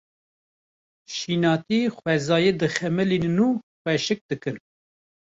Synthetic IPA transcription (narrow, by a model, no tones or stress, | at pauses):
ʃiːnɑːt̪ixwɛzɑːjeːd̪ɨxɛmɨlinuːxʷwɛʃɨk̚d̪ɨkɨn